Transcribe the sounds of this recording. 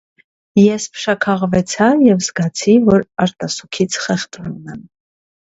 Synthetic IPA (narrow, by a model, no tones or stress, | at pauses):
jɛspʰə̥ʃɑkʰɑʁvɛt͡sʰɑjɛvzɡɑt͡sʰivɔɾɑɾt̪ɑsukʰit͡sʰχɛχt̪ununɛm